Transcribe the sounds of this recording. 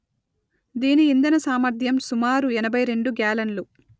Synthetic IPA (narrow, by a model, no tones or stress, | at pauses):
d̪iːniːnd̪ɐnɐsaːmɐɾd̪ʱjɐmsumaːɾuɛnɐbʱɐjɾe̞ɳɖuɡjaːlɐnlu